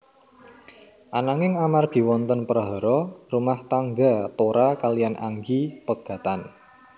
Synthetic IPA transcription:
ʔanaŋɪŋamarɡ̥i̤wɔnt̪ənpəɾaɦɔɾɔrumaht̪aŋɡat̪oɾakalijanʔa̰ŋɡipəɡ̥ä̤t̪an

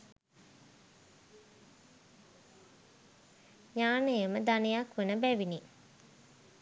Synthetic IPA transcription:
ɲaːnəjəməd̪anejakʋenəbæʋini

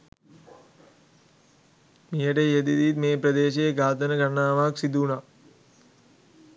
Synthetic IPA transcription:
mijəʈejed̪id̪it̪meːpɾɐd̪eːʃejɡaːt̪ənəɡɐnaːʋaksid̪una

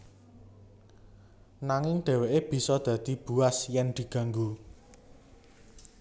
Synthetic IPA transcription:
naŋɪŋɖ̪̥ɛ̤weʔeb̥i̤sɔd̪̥ä̤d̪̥i̤b̥ṳasjɛnd̪̥i̤ɡ̥ä̤ŋɡu

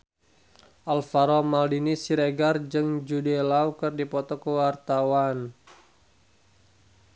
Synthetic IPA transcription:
ʔalfaɾɔmaldinisiɾeɡard͡ʒɨŋd͡ʒudelaukərdipɔt̪ɔkəwart̪awan

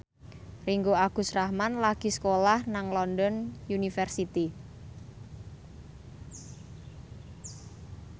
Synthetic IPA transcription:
riŋɡoaɡ̥ṳsrahmanlaɡ̥i̤skolahnaŋlɔndɔnjunifɛrsit̪i

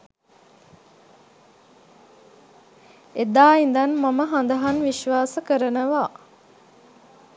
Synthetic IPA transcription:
ed̪aːind̪ɐnmaməɦand̪ɐɦanʋiʃʋaːsəkəɾənəʋaː

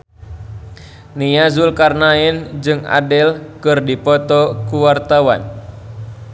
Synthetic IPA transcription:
nijazulkarnaɛnd͡ʒɨŋa̰dɛlkɨrdipɔt̪ɔkuwart̪awa̰n

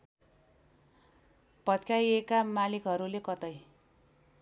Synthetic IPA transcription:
pʌt̪kʰajekamalikɦʌɾulekʌt̪ʌj

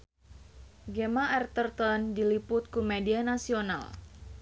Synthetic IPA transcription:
ɡɛmaʔɛrt̪ərt̪ɔndilipʊt̪̚kumedianasiona̰l

